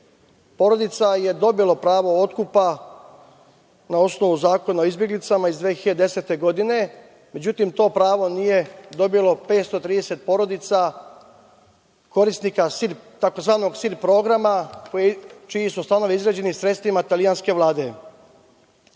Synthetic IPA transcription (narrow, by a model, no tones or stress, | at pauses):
po̞ɾo̞d̪it̪saje̞d̪o̞bilopɾaːʋo̞o̞t̪kupa | nao̞sno̞ʋuzaːko̞naoizbjeɡlit̪samaizd̪ʋeçid̪eset̪e̞ɡo̞d̪ine̞ | me̞d͡ʑut̪imt̪o̞ːpɾaːʋo̞nije̞d̪o̞bijlo̞pe̞ːt̪st̪o̞t̪ɾiːd̪e̞se̞t̪̚po̞ɾo̞d̪it̪sa | ko̞ɾisnikasilt̪ako̞zʋaːno̞ɡsiɾpɾo̞ːɡɾamakoet͡ʃijisust̪ano̞ʋiizɡɾad͡ʑe̞nisɾet̪st̪ʋimat̪alijanske̞ʋlˠaːd̪e̞